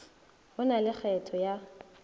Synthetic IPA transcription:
hʊnalɪk͡xʰɛtʰɔja

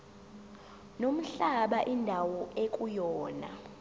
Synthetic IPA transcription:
nom̩ɬaɓaʔindʱawɔekʼujɔːna̰

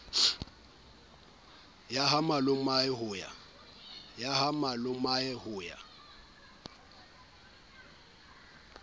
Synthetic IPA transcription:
jaɦamalʊmaɪɦʊːja̰ | jahamalʊmaɛhʊːja̰

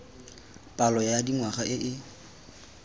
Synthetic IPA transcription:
pʼalɔjadiŋwaχaʔɪʔɪ

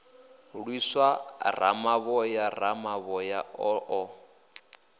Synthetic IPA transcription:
ɺwiswara̰maβɔjaramaβɔjaɔʔɔ

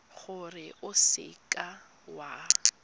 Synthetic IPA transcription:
χʊrɪʔʊsɪ̰kʼa | wa

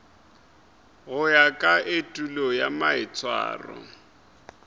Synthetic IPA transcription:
ɣʊjakʼaʔetʼulɔjamaɪt͡sʰʼwa̰ːrɔ̰

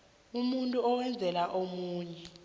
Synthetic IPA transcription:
umuntʼuɔwɛnd͡zʱɛlaʔomuːɲɛ

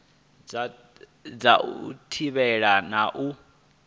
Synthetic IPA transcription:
d͡zaṵtʰiβɛɺanaʔu

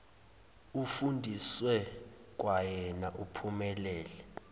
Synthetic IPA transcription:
ufundʱiswɛ | k̬ʼwajɛnaʔupʰumɛlɛːlɛ

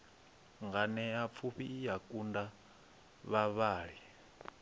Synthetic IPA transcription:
ŋɡanɛap̪fʰuɸiːjakʼunda | βaβaːɺi

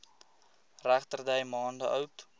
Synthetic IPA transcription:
ræχtərdɛjmɑːndəʔœwt

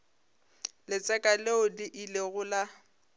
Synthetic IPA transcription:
lɪt͡sʼɛkʼaleʊdɪʔileɣʊla

